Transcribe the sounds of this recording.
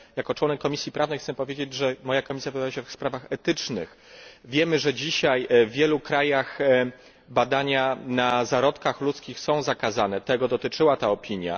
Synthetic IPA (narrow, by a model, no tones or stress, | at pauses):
jakɔt͡ʂwɔnɛkːɔmʲisʲjipɾavnɛjxt̪sɛpɔvʲjed͡ʑed͡ʑʐɛmɔjakɔmʲisʲjavɨd̪ajaɕɛfspɾavaxɛt̪ɘt͡ʂnɘ̰x | vʲjɛmɘʐɛd͡ʑiɕajvːʲjɛlukɾajax | bad̪aɲanazaɾɔt̪kaxlut̪skʲixsɔ̃w̃zakazanɛt̪ɛɡɔd̪ɔt̪ɘt͡ʂɘwat̪aɔpʲiɲja̰